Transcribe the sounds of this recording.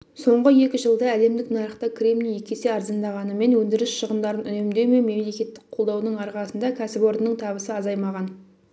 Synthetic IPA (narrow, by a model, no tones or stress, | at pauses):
so̞ɴʁəje̞kʲɪʒəlˠd̪əæle̞md̪ɪknɑɾəχt̪ɑkʲʰrʲemlʲijekʲe̞seɑɾzɑnd̪ɑʁɑnəme̞nwɵnd̪ɪɾɪsʃəʁənd̪ɑɾənʏnemd̪ejme̞me̞mle̞kʲe̞t̪ːɪ̥k̚qʰo̞lˠd̪ɑwnəɴɑɾʁɑsənd̪ɑkʲʰæsɪpo̞ɾd̪ənəɴt̪ʰɑβəsəɑzɑjmɑʁɑn